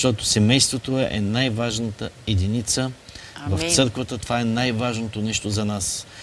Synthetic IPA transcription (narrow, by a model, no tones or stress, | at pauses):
t̪ɔt̪osɛmɛjst̪vot̪oɛʔɛ̰najvaʒnət̪əɛd̪init̪sə | vɐft̪sɤɾkvət̪ət̪ovaɛnajvaʒnot̪onɛʃt̪ozɐnas